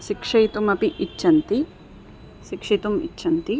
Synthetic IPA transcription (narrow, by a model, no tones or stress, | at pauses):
ʃɪkʂɐjt̪umɐpiʔːt͡ʃːʃʰɐnt̪i | ʃikʂit̪umḭt͡ʃːʰɐnt̪i